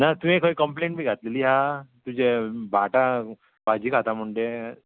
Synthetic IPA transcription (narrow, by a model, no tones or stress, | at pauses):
nat̪uĩekʰəikəmplẽɳʈbʱiːɡʱat̪leliːɦat̪ud͡ʑebʱaʈa | bʱad͡ʑiːkʰat̪amuɳɖe